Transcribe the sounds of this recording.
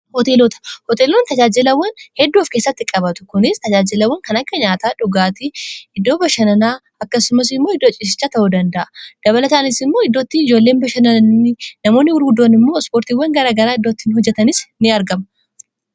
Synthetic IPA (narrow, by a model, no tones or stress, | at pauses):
hɔt̪eːlɔt̪ɐ̥hɔt̪eːlont̪ɐd͡ʒaːd͡ʒɪlɐwːɐnhɛd̪ːuːfke̞ːsːɐt̪ːɪkʼɐbɐt̪ʊ̥kʊnɪst̪ɐd͡ʒaːd͡ʒɪlɐwːɐŋkɐnɐkːɐɲaːt̪aːᶑʊɡaːt̪ɪɪd̪ːo̞ːbɐʃɐnɐnaː | ɐkːɐsʊmɐs̬ɪmːo̞ːɪd̪ːot͡ʃʼɪs̬ɪ̥t͡ʃːaːt̪ɐʔud̪ɐnd̪ɐʔɐ̥d̪̥ɐβɐlɐt̪aːnɪsɪmːo̞ːɪd̪ːoːt̪ːɪɪd͡ʒo̞ːlːe̞ːnbɐʃɐnɐnːɪnɐmo̞ːnːɪwʊɾɡʊd̪ːoːnɪmːo̞ːspo̞ːɾt̪iːwːɐŋɡɐɾaːɡɐɾaːɪd̪ːot̪ːɪnhɔd͡ʒːɛt̪ɐnɪsnɪɐɾɡɐmɐ